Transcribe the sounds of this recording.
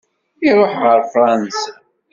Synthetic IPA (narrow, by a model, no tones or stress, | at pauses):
iɾˤoħʁəɾfɾˤɑnsḁ